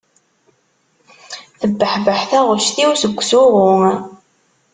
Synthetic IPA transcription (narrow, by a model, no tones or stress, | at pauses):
θəbːəħvəħθæʁʊʃθiwsəɡʷːsʊʁʊ